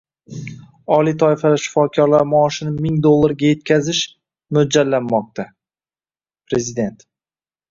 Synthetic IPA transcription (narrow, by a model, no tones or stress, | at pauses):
ɒlit̪ʰɒɪfalaʃɪ̥fɒkʲʰɒɾlaɾmɒːʃɪnɪmɪŋd̪olˠːaɾɡʲaje̞t̪̚kʲʰazɪʃ | mʊd͡ʒalːanmɒq̚t̪ʰa | pɾe̞zɪd̪e̞nt̪